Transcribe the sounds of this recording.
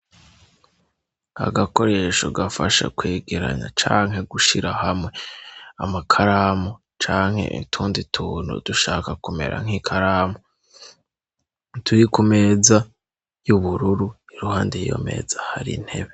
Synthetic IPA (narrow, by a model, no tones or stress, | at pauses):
a̰ɡako̞ɾe̞ːʃo̰ɡafaʃa̰kweːɡeɾa̰ɲa̰t͡ʃaːŋɦe̞ɡuʃiɾahamŋe̞amakʰaɾaːmo | t͡ʃaːŋ̥he̞̰ḭtʰuːnditʰuːnṵd̥uʃaːkakume̞̰ɾʔa̰ŋ̥ikʰaɾaːmo | tʰuɾikume̞ːza | juβuɾuɾuiɾuhaːndejjo̞̰me̞̰ːzahaɾḭn̥he̞̰βe̞